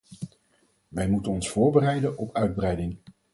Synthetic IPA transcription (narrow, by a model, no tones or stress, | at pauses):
ʋɛjmutənɔnsfʊːɹbərɛjdənʔɔpœɥd̚brɛjdɪŋ